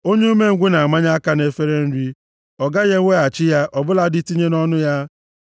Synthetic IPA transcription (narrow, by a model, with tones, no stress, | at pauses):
o˦ɲe˦u˦me˦ŋ̩˨˦ɡʷe˦na˨a˨ma˦ɲa˦a˦ka˦ne˨fe˦ɾe˦n̩˦ɾi˦ | ɔ˨ɡa˦ɣe˦ŋʷe˦a˨t͡ʃɪ˦ja˦ʔɔ˨bʊ˦la˦di˦ti˦ɲe˦nɔ˦nʊ˦ja˦